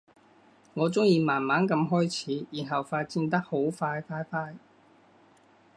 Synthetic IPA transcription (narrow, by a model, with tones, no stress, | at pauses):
ŋɔː˨˧t͡sʊ˥ŋjiː˧maː˨˩nmaː˨˥nkɐ˧mɦɔː˥jt͡sʰiː˨˥jiː˨˩nɦɐ˨wfaː˧t̚t͡siː˧nt̪ɐ˥k̚ho˨˥wfaː˧jfaː˧jfaː˧j